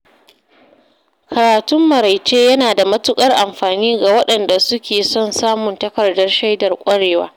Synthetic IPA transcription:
kʰɐ˨ɾaː˨tʊ˦mːɐ˨ɾa˨jt͡ʃeː˦jɐ˦naː˨da˨mɐ˦tʊ˦kʼɐ˦rʔa˨mɸaː˨niː˦ɡa˨wɐ˦ɗɐ˨nda˨sʊ˦kʲeː˨sɔ˦˨nsaː˦mʊ˨ntɐ˦kɐ˨rdɐ˦rʃa˦jdɐ˨rkʷʼɐ˦ɽeː˨wa̰ː˦

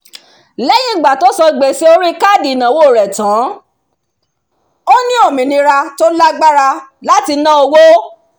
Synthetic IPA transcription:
lɛ˦j̃ĩ˦˨ɡ͡ba˨to˦sɔ˧˨ɡ͡be˨se˦o˧˦ɾi˦ka˦˨di˨nã˨wo˦˨ɾɛ˨tã˨˦ | o˦nĩ˦o˦˨mĩ˨nĩ˧˦ɾa˧to˦la˦ɡ͡ba˦ɾa˧la˦ti˧nã˦o˧wo˦

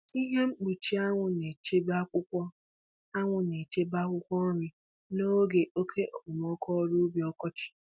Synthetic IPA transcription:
i˦ɦe˦ŋ͡m̩˦k͡pi˨t͡ʃi˦a˦ŋʷʊ˨ne˨t͡ʃe˦ba˦kʷʊ˦kʷɔ˦ | a˦ŋʷʊ˨ne˨t͡ʃe˦ba˦kʷʊ˦kʷɔ˦ɾi˨ | no˦ɡe˨ʔo˦kʰe˦ʔɔ˨k͡pʊ˨m˨ɔ˦kɔ˦ɾu˦bi˨ɔ˦kɔ˦t͡ʃɪ̥˨

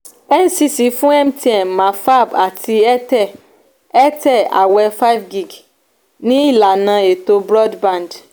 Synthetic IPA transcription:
ɛ˦n˦si˦si˨fũ˦ɛ˦m˦t̪i˦ɛ˨nmã˨fa˦ba˨tʰi˦ɛ˦t̪ɛ˦ | ɛ˦t̪ɛ˦a̰˨wɛ˨fa˦jvɡi˦ɡ | nĩ˦la˨nã˨e˨t̪o˨bɾɔ˦dbã˨nd

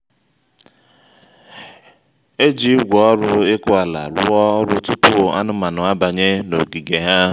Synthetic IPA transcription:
e˦d͡ʒi˦ɡʷɔ˦ɾʊ˦ɪ˦kʊ˦a˨la̰˨ɾʊ̰˦ɔ˦ɾʊ˦tʊ˦tʊ˦˨a̰˦nʊ˦ma˨nʊ˨a˦ba˨ɲe˦no̰˨ɡi˨ɡe˨ɦa˦

